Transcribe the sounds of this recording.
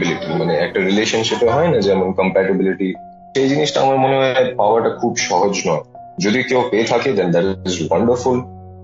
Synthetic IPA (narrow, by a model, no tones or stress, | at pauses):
bɪliʈimaneɛk̚ʈaɾileːʃənʃɪpeɦɔenad͡ʒeɛmənkə̃mpɛʈɪbɪliʈi | ʃejd͡ʒiniʃʈaa̰məɾmoneɦɔepaʊəɾʈakʰuːbʃɔɦod͡ʒnɔ | d͡ʒod̪iokeopet̪ʰaked̪ɛ̃nd̪æʈɪzʋɐ̃ɳɖəɾful